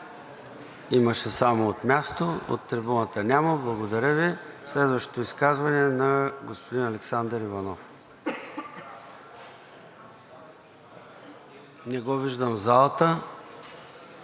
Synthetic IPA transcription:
iməʃɛsamoot̪mʲast̪oo̰t̪ːɾɛbɔnət̪ənʲaməblˠɐɡod̪ɐɾʲəvi | slɛd̪vəʃt̪o̥t̪oiskazvɐnɛnɐɡospod̪inɐlɛksand̪əɾivɐnɔf | nɛɡɔviʒd̪əmzalˠət̪ə

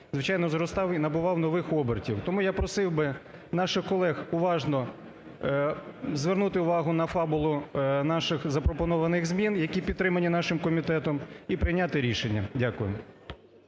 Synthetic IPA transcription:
zʋɪt͡ʃɑjnɔzɾɔst̪ɑwinɐbʊʋɑwnɔʋɪxɔbertʲiwt̪ɔmujapɾɔsɪwbɪ | nɑʃɪxkɔlˠɛxʊʋɑʒnɔ | zʋernut̪ɪʊʋɑɦʊnɐfɑbʊlˠʊnɑʃɪxzɐpɾɔpɔnɔʋɐnɪɣzmʲinjɐkʲipʲit̪t̪ːɾɪmɐnʲinɑʃɪmkɔmʲit̪ɛt̪ɔmipɾɪjnʲat̪ɪɾʲiʃenʲːɐ̰dʲakʊjʊ̰

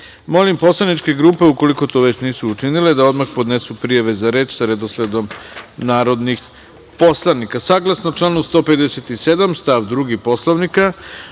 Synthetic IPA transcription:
mo̞limpo̞slˠanit͡ʃke̞ɡɾuːpe̞uko̞liko̞t̪o̞ːʋet͡ɕniːsuːt͡ʃiniled̪ao̞d̪maxpo̞d̪nesupɾijaʋe̞zaɾe̞ːt͡ʃsaɾed̪osled̪o̞mnaːɾo̞d̪nix | po̞slˠanikasaːɡlˠasnot͡ʃlˠanust̪o̞ːpe̞d̪eset̪ise̞d̪amst̪aʋd̪ɾuɡipo̞slˠoʋnika

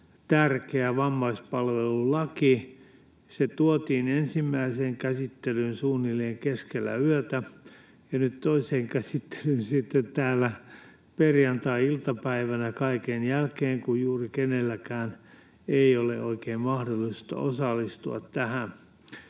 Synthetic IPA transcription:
t̪ærkeæʋɑmːɑispɑlʋelulɑki | set̪uot̪iːnensimːæiseːŋkæsit̪ːelynsuːnːileːŋkeskelːæ̰yøt̪æ | jɑnyt̪t̪oiseːŋkæsit̪ːe̥lynsit̪ːet̪t̪æːlːæ | perjɑnt̪ɑiilt̪ɑpæiʋænækɑikenjælkeːŋkujjuːrikenelːækæːn | eiolḛʔoikeːmmɑhdolːˑist̪ɑ̰ʔo̰sɑlːist̪uɑ̰t̪tæhæn

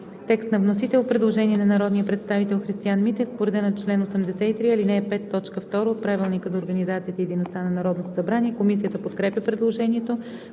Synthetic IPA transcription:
t̪ɛkst̪nɐvnosit̪ɛlot̪̚pɾɛd̪lˠoʒɛniɛnɐnɐɾɔd̪nijəpɾɛt̪st̪avit̪ɛlˠxɾist̪ianmit̪ɛfpoɾɛd̪ɛnot͡ʃlɛnosɛmd̪ɛsɛit̪ɾiɐlinɛpɛt̪ːɔt͡ʃkəft̪ɔɾəot̪̚pɾavilˠnikəzɐoɾɡənizat̪sijət̪əid̪əjnost̪anɐnɐɾɔd̪not̪osɐbɾaniɛkomisijət̪əpot̪kɾɛpjʲəpɾɛd̪lˠoʒɛniɛt̪o

